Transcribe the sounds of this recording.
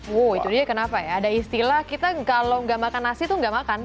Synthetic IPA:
woit̪udiakənapajaːdaist̪ilahkit̪akaloŋɡamakanasit̪uŋɡaʔmakan

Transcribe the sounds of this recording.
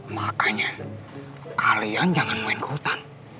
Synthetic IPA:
makaɲa | kalijand͡ʒaŋanmoɛnkut̪an

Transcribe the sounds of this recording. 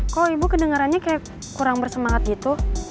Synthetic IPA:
kaloibukədəŋaɾanɲakajak | kuɾaŋbərsəmaŋat̪̚ɡit̪u

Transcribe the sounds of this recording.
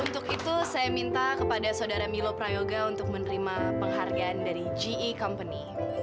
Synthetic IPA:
unt̪ʊkit̪usajamint̪akəpadasaudaɾamilopɾajoɡaunt̪ʊk̚mənəɾimapəŋɦarɡaːndaɾid͡ʒiːkɔmpəni

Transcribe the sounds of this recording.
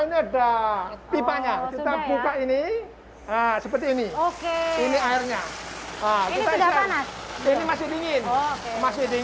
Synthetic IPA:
iniadap̪ipaɲakit̪abukaʔini | əsəpərt̪iːnikeiniaɪrɲaəkit̪aaninimasɪdiŋɪnmasɪhdi

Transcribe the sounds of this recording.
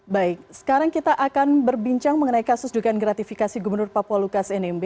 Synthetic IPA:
baɪk̚sə̥kaɾaŋkit̪aʔakanbərbiɲt͡ʃaŋməŋənaikasʊsduɡaanɡɾat̪ifikasiɡubərnʊrpapualukasɛnɛmbe

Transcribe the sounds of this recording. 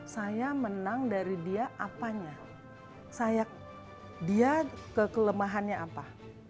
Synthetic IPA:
sajamənaŋdaɾidiaʔapaɲa | sajak̚ | diakəkələmaɦanɲaʔapa

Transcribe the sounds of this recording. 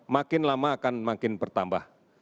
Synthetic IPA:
makɪnlamaːkanmakɪnpərt̪amba̰h

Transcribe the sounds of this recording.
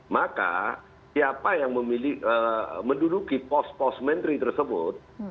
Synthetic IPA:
maka̰ | siapajaŋməmiliəməndudukipɔspɔsmɛnt̪ɾit̪ərsəbʊ̰t̪̚

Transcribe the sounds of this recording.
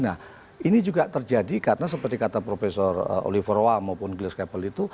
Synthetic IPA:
nah | inid͡ʒuɡaʔt̪ərd͡ʒadikaɾənas̬əpərt̪ikat̪apɾofesɔrə̰ʔo̰lifəɾowamaupʊnɡləskapəlit̪u

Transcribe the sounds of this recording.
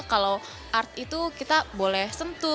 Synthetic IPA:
kalow | ʔart̪̚it̪ukit̪abolɛhsənt̪ʊ

